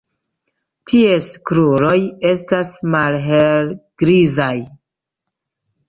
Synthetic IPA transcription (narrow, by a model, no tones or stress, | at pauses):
tʰieskɾuɾo̞je̞stasmalɦelɡ̥ɾizaj